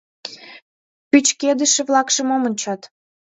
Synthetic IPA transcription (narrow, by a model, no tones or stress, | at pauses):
pyt͡ɕked̪ə̆ʃĕβlɑkʃə̆momənʲt͡ɕɑt̪